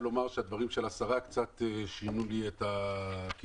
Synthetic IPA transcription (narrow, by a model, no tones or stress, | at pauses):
lomaʁʃead̪vaʁimʃe̞lasaʁakt͡sat̪eʃinuliet̪aki